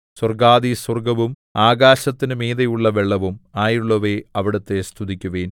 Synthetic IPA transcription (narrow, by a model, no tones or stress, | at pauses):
swɐrɡaːðiswɐrɡɐʋum | aːɡaːɕɐt̪ːinɨmeːðɐjuɭːɐʋeɭːɐʋumaːjuɭːɐʋeɐʋiɽɐt̪ːe̞st̪ʰud̪ikʲːuʋeːn